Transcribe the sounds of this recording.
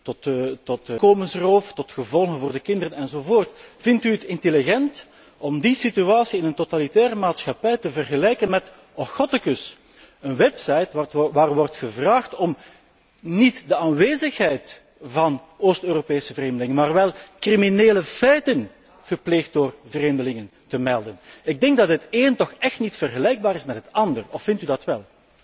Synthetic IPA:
tɔttɔtkoːmənsroːftɔtxəvɔlˠɣənvoːrdəkɪndərənɛnzovoːrtfɪntyətɪntəliɣɛnt | ʔɔmdisityaːsiɪnəntotalitɛːɾəmaːtsxɑpɛjtəvərɣəlɛjkənmɛt | ɔxɔtɪkɵs | ənwɛpsɑjtʋaːrʋɔrtxəvraːxtɔm | nitdəaːnʋeːzəxɦɛjt | vɑn | oːstøːropeːsəvəreːmdəlɪŋənmaːrʋɛlˠkrimineːləfɛjtən | ɣəpleːxt̚doːrvəreːmdəlɪŋəntəmɛlˠdənɪɡ̚dɛŋɡ̚dɑtɦəteːntɔxɛxtnitfərɣəlɛjɡ̚baːɾɪsmɛtɦətɑndərɔfɪntydɑtʋɛlˠ

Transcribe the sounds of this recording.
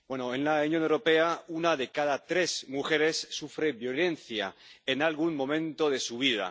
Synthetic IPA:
bwe̞noenlaunjonewɾo̞pe̞aunaðe̞kaðat̪ɾe̞zmuxe̞ɾe̞sːufɾe̞βjo̞le̞nθja̰enalɣ̞unmõ̞mẽ̞nt̪oð̞e̞suβ̞iða̰

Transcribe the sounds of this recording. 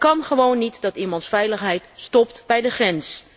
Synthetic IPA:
kɑnχəʋownːitdɑtimɑnsfɛjləχɦɛjtstɔptbɛjdəχrɛns

